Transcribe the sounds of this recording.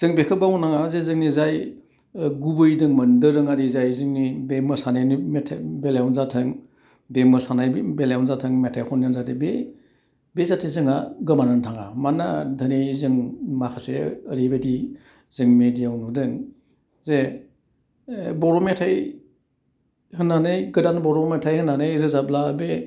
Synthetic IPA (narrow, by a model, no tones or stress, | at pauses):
z̥ɯŋbekʰɯbawnaŋazezɯŋnizaj | ɡubɯjdɯŋmɐndɯɾɯŋaɾizajzɯŋnibemɯsanajnmetʰbelawnzatʰɯŋ | bemɯsanajbeljawnzatʰɯŋmetʰajkʰɔnnanzadɯbe | bezatʰezɯŋaɡɯmanantʰaŋamanadʱɯnizɯŋmakʰaseəɾibedi | zɯŋmedijawnudɯŋ | ze | bɔɾɔmetʰaj | hɯnanɯjɡɯdanbɔɾɔmetʰajhɯnanɯjɾɯzablabe